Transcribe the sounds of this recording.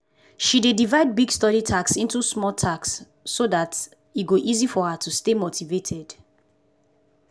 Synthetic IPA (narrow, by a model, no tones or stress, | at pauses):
ʃidedivaɪd̚biɡstɔɾitʰaksĩntusmɔltʰaksː | odat | iɡoʔizifɔhatʰustemotʰivetʰɛd̥